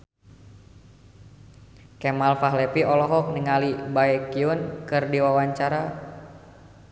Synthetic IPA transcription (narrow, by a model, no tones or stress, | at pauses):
kɛmalfaɦlɛpiɔlɔɦɔk̚niŋalibaɛkiunkɨrdiwawaɲt͡ʃaɾa